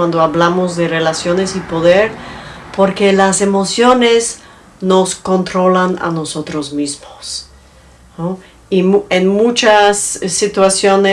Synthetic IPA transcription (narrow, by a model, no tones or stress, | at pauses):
wand̪oaβlamozðe̞re̞lasjone̞sipo̞ðeɾpo̞ɾke̞lasemo̞sjo̞nes | no̞sko̞nt̪ɾo̞lana̰no̞sot̪ɾozmizmos | no | ienmut͡ʃasːit̪wasjo̞ne